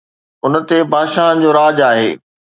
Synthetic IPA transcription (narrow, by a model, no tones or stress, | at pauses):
ʊnət̪ebʱaːʃaːɦən̆d͡ʑoːɾaːd͡ʑaːɦḛː